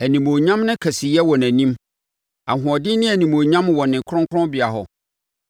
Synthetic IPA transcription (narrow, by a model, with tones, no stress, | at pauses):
æ˨nĩ˨mõ˨ɲã˦mnʊ̃˦kʰæ˨sɪ˨jɛ˦wɔ̃˨næ̃˨nĩ˦m | a˨ɦʊ̃˨ɔ˨dɪ˦nɪ̃˦æ˨nĩ˨mõ˨ɲã˦mwɔ̃˨nɪ̃˨kʰɾɔ̃˦ŋkʰʊ˦ɾɔ̃˦bɪ˨a˨ɦɔ˨